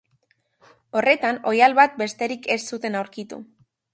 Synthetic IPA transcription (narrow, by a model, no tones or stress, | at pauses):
o̞re̞t̪ano̞jalβat̪̚be̞st̪e̞ɾike̞ssut̪e̞nawɾkit̪ṵ